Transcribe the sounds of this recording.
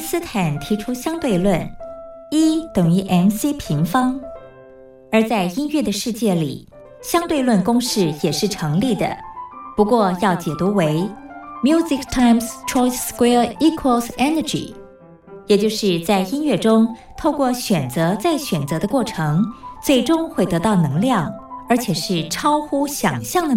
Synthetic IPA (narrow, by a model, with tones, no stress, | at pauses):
sɹ̩˥t̪ʰa˨˩˦nt̪ʰi˧˥ʈ͡ʂʰu˥ɕjɑ˥ŋt̪we˥˧ɪlwə˥˩n | i˥t̪ɤ˨˩ŋy˧˥ʔɛ˧˥nsi˥pʰi˧˥ŋfɑ˥ŋ | ə˞˧˥t͡sa˥˧ɪi˥nɥɛ˥˩d̪ə˩ʂɻ̩˥˧t͡ɕjɛ˥˩lḭ˨˩ | ɕjɑ˥ŋt̪we˥˧ɪlwə˥˩nkʊ˥ŋʂɻ̩˥˩jɛ˨˩ʂɻ̩˥˩ʈ͡ʂʰɤ˧˥ŋli˥˩d̪ə̰˩pu˧˥kwɔ˥˧jɑ˥˩ʊt͡ɕjɛ˨˩t̪u˧˥we˧˥ɪmju˥zi˥kt̪ʰa˥˧ɪmstʰɔ˥ɪskwɛ˥i˥kʰwə˧˩lsɛ˥nə˨˩d͡ʒḭ˨˩ | jɛ˨˩t͡ɕjo˥˧ʊʂɻ̩˥˧t͡sa˥˩ɪi˥nɥɛ˥˩ʈ͡ʂʊ˥ŋt̪ʰo˥˧ʊkwɔ˥˩ɕɥɛ˨˩nt͡sɤ˧˥t͡sa˥˩ɪɕɥɛ˨˩nt͡sɤ˧˥d̪ə˧kwɔ˥˩ʈ͡ʂʰɤ˧˥ŋt͡swe˥˩ɪʈ͡ʂʊ˥ŋxwe˥˩ɪt̪ɤ˧˥t̪ɑ˥˩ʊnɤ˧˥ŋljɑ˥˩ŋə˞˧˥t͡ɕʰjɛ˨˩ʂɻ̩˥˩ʈ͡ʂʰɑ˥ʊxu˥ɕjɑ˨˩ŋɕjɑ˥˩ŋd̪ə˩